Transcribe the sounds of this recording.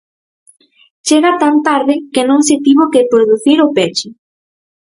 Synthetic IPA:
t͡ʃeɣat̪ant̪aɾðɪkenõŋsɪt̪iβokepɾoðuθiɾopet͡ʃʊ

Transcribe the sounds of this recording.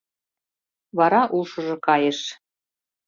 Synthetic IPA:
βɑɾɑʔulʃɤ̆ʒɤ̆kɑjəʃ

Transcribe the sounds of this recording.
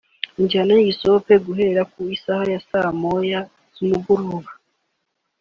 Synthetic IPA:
iɲɟihanajiiso̞pe̞ɡuɦe̞ɾakuisahajasamoja | z̥umuɡuɾuβa

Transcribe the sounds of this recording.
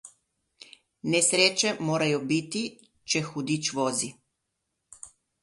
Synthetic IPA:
nɛsɾeːt͡ʃɛmoːɾajɔbit̪i | t͡ʃɛxud̪it͡ʃʋoːzi

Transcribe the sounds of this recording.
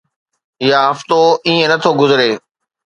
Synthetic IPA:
ɪjaɦɐft̪oiːẽnɐt̪ʰoɡʊzɾeː

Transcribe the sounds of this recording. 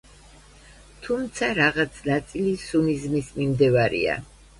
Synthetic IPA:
t̪ʰumt̪sʰaɾaʁat̪sʰnat̪sʼilisunizmismimd̪ɛvaɾḭa̰

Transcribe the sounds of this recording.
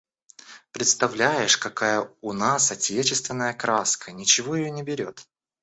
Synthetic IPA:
pɾʲɪt̪st̪ɐvlʲæjɪʂkɐkajəʊnasɐtʲet͡ɕɪst̪vʲɪnːəjəkɾaskʰənʲɪt͡ɕɪvo̞jɪjonʲɪbʲɪɾʲot̪

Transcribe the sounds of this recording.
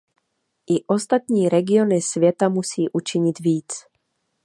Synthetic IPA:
ʔɪʔost̪at̪ɲiːɾɛɡɪonɪsvjɛt̪amusiːʔut͡ʃɪɲɪd̪viːt͡s

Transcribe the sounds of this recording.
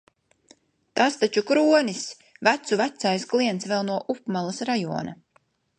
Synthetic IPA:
t̪ast̪at͡ʃukɾuɔnis | væt̪suvæt̪sajsklˠiɛnt̪svɛlˠnuɔʔupmalˠasɾajṵɔna̰

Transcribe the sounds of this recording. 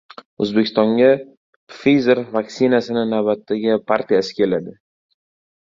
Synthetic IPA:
ɵ̰zbekʰʲɪ̥st̪ɒŋɡʲa | fijzeɾvakʲsɪnasɪnɪnavbat̪ʰːaɡʲɪpʰaɾt̪ʰijasɪ̥kʲʰe̞lad̪ɪ

